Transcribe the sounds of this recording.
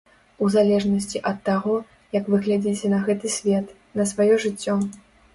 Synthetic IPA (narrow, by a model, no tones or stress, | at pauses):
uzalʲɛʐnɐsʲt͡sʲiʔɐt̪ːaɣɔ | jɐkvɨɣlʲad͡zʲit͡sʲɛnɐɣɛt̪ɨsʲvʲɛt̪ | nɐsvajɔʐɨt͡sʲːɔ